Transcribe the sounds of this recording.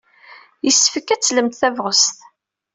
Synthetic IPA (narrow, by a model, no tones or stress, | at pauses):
jəsːəfəkːæt͡sːləmt̪θævʁəsθ